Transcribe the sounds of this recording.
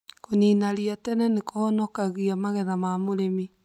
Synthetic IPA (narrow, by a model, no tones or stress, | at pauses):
koniːnaɾiatɛnɛnekohɔnɔkaɣiamaɣɛðamamoɾemi